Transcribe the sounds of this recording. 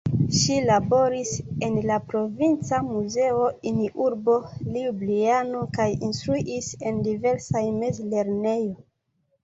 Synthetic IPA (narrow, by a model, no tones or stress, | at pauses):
ʃilabo̞ɾise̞nlapɾo̞vint͡samuzeo̞iniʔuɾbo̞liublianokajinstɾuʔise̞ndive̞ɾsajme̞zle̞ɾne̞jo̞